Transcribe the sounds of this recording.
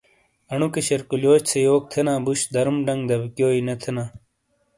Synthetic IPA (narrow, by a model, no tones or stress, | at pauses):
ɐɳukeɕɐɾkuljoːɕt͡sʰejoːk̚t̪ʰenãːbuɕd̪ɐɾmɖɐŋɡd̪ɐbkjoːinɐt̪ʰenãː